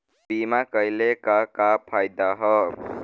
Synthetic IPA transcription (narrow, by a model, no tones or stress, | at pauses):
bimakʌjlekakapʰajd̪aɦʌ